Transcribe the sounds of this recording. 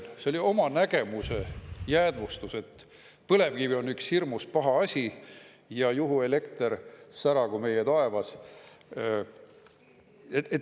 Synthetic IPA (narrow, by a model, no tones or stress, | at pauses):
seo̞lʲio̞mɑnæɡ̥e̞muse̞jæːd̪̥vust̪use̞t̪ | pɤle̞vkivio̞nːykshirmuspɑɦɑɑsʲi | jɑjuɦue̞le̞kt̪eɾsæɾɑkume̞jet̪ɑe̞vɑs | eet̪